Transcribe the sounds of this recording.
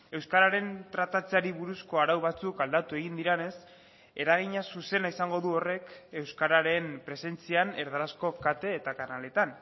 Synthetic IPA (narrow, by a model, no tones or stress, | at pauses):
e̞wskaɾaɾe̞nt̪ɾat̪at͡saɾiβuɾusko̞aɾawβat͡sukald̪at̪ue̞ɣ̞ind̪iɾene̞s | e̞ɾaɣ̞iɲasuse̞naisaŋɡo̞ðuo̞re̞ke̞wskaɾaɾe̞npɾe̞se̞nt͡siane̞ɾðaɾasko̞kat̪e̞ːt̪akanale̞t̪an